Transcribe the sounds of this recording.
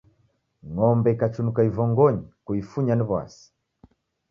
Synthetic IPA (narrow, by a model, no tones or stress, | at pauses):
ŋɔmbɛikat͡ʃunukaivɔŋɡɔɲikuifuɲaniβwa̰si̥